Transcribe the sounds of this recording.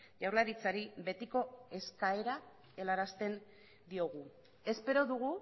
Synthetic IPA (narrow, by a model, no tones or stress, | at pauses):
ʝawɾlaɾit͡saɾiβe̞t̪iko̞e̞skae̞ɾa | e̞laɾast̪e̞n | d̪io̞ɣ̞u | e̞spe̞ɾo̞ðuɣ̞u